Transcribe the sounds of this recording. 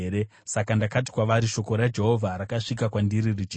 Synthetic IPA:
ɾe | sakandakati̥kwaʋaɾiʃo̞ko̞ɾad͡ʒe̞ɦo̞vʱaɾakaʂikakwandiririt͡ʃi

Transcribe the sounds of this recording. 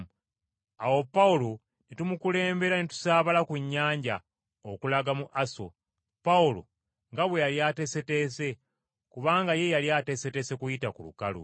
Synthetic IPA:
awo̞pːaulo | netumukule̞ːmbe̞ɾanetu̥saːβalakuɲːaːɲɟa̰ | okulaɡamuʔaso̞̰ | paulo̞̰ | ŋɡaβwe̞jaljaːte̞se̞te̞ːse̞ | kuβaːŋɡaje̞jaljaːte̞se̞tese̞kujitakulṵkalṵ

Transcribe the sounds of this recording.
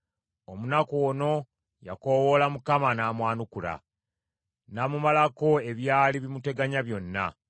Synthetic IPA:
o̞munakoono̞ | ja̰ko̞wo̞lamukamanaːmwaːnukula̰ | namumalako̞e̞βjaːliβimute̞ɡaɲaβjo̞nːa̰

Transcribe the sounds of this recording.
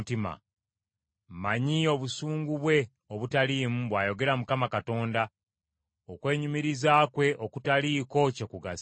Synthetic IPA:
tima̰ | maɲio̞βusuːŋɡuβwe̞ | oβutaliːmuβwaːjo̞ɡe̞ɾamukamakato̞ːnda | okwe̞ːɲumiɾizaːkwe̞ʔokutaliko̞cekuɡas

